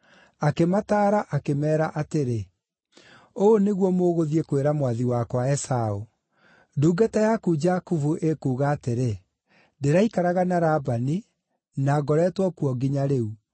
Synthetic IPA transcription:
akemataːɾaʔakemɛːɾaʔateɾe | oːneɣwɔmoɣoðiekweɾamwaðiwakwaɛsao | duːɡatajakud͡ʒakuvuʔekuːɣaːteɾe | deɾaikaɾaɣanaɾaːbani | naɡɔɾɛtwɔkuɔɡiɲaɾeu

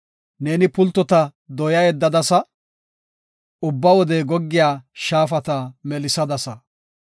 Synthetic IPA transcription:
neːnɪpʊlt̪ːɔt̪ɐd̪ɔjɐjɛd̪ːɐd̪ɐsɐ | ʊbːɐwɔd̪ɛɡɔɡːɪjaːʃaːfɐt̪ɐmɛlɪsɐd̪ɐsɐ

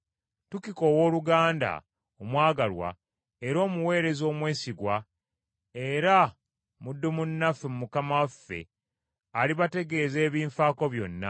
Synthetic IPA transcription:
tukiko̞wo̞ːluɡaːnda̰ | omwaːɡalwa̰ | eɾo̞ːmuwe̞ːɾe̞zo̞ːmwe̞ːsiɡwa | e̞ɾa | mudːumunːafːemumukamawafːe̞̰ | aliβate̞ɡe̞ːze̞ːβiːɱfaːko̞βjo̞̰nːa̰

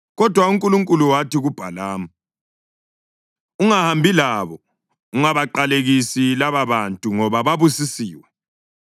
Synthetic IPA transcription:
ɣɔd̥ʱwauŋkʼuluŋkʼuluwatiɣub̥ʱalaːma | uŋahambʱilaβɔ | uŋaβaǃaleɣisilaβaβantʼuŋɔβaβaβusisiːwɛ

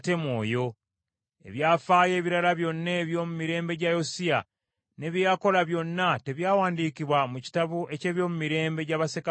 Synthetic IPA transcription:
te̞mwo̞ːjo̞ | e̞̰βjaːfaːje̞ːβiɾalaβjo̞nːeβjo̞ːmumiɾe̞ːmbe̞ɟajosia | ne̞βjako̞laβjo̞nːate̞βjaːwaːndiːkiβwamuci̥taβuʔe̞ce̞ːβjo̞ːmumiɾe̞ːmbe̞ɟaβaseka

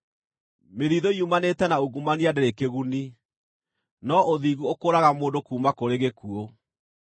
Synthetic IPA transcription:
meðiðoiumanetɛnaoɣumaniadɛɾekeɣuni | nɔʔoðiːɣuokoːɾaɣamoːndokuːmakoɾeɣekuo

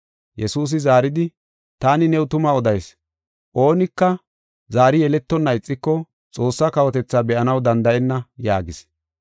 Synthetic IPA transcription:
jɛsuːs̬ɪzaːɾɪd̪ɪ | t̪aːnɪnɛwʊt̪ʊmɐɔd̪ɐjs | ʔo̞ːnɪkːɐ | zaːɾɪjɛlɛt̪ːɔnːɐɪt͡sʼːɪkːɔ | t͡sʼo̞ːsːɐkɐwɔt̪ɛt͡sːaːbɛʔɐnɐwd̪ɐnd̪ɐʔɛnːɐjaːɡɪs

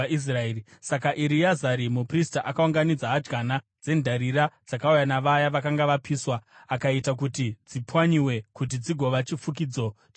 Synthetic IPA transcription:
is̬raeisakaʔiɾijazaɾimupristaʔakauŋɡanid͡zaɦad͡ʒɡana | d͡ze̞ndʱaɾiɾad͡zakaujanaʋajaʋakaŋɡaʋapiːswaakaitak̬utid͡zipwaɲiwe̞kut̬id͡ziɡʱo̞ʋat͡ʃifuk̬iːd͡zo̞

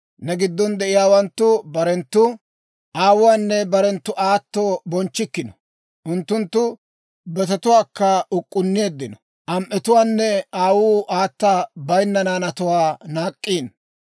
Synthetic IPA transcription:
nɛɡɪd̪ːɔnd̪ɛʔɪjaːwɐnt̪ːʊbɐɾɛnt̪ːʊ | ʔaːwʊwaːnːɛbɐɾɛnt̪ːʊʔaːt̪ːoːbɔnt͡ʃːɪkːɪnɔ | ʔʊnt̪ːʊnt̪ːʊ | bɛt̪ɐt̪ʊwaːkːɐʊkʼːʊnːɪe̞ːd̪ːɪnɔ | ʔɐmʔɛt̪ʊwaːnːɛaːwuːʔaːt̪ːabɐjnːɐnaːnɐt̪ʊwaːnaːkʼːiːn

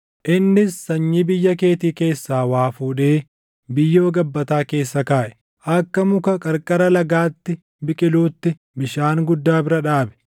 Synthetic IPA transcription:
ʔɪnːɪsːɐɲːɪbɪjːɐke̞ːt̪iːke̞ːsːaːwaːfuːᶑe̞ː | bɪjːo̞ːɡɐbːɐt̪aːke̞ːsːɐkaːʔɛ̥ | ʔɐkːɐmʊkɐkʼɐɾkʼɐɾɐlɐɡaːt̪ːɪ | bɪkʼɪluːt̪ːɪ | bɪʃaːŋɡʊd̪ːaːbɪɾɐᶑaːbɛ̥

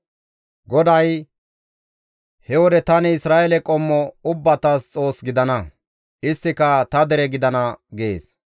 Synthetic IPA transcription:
ɡɔd̪ɐj | hɛwɔd̪ɛt̪ɐnɪɪsɾaːʔɛlɛkʼɔmːɔʊbːɐt̪ɐst͡sʼo̞ːsɡɪd̪ɐnɐ | ʔɪst̪ːɪkɐt̪ɐd̪ɛɾɛɡɪd̪ɐnɐɡḛːs

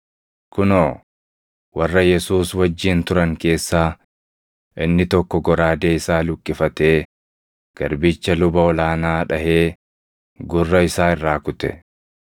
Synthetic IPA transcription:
kʊnoː | wɐrːɐjɛsuːswɐd͡ʒːiːnt̪ʊɾɐŋke̞ːsːaː | ʔɪnːɪt̪ɔkːɔɡɔɾaːd̪eːɪsaːlʊkʼːɪfɐt̪e̞ː | ɡ̥ɐ̰ɾbɪt͡ʃːɐlʊbɐɔlaːnaːᶑɐhe̞ː | ɡʊrːɐɪsaːɪrːaːkʊt̪ɛ̰

